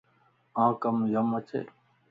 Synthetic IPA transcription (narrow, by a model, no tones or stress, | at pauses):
ãːkəmjəmət͡ʃʰḛː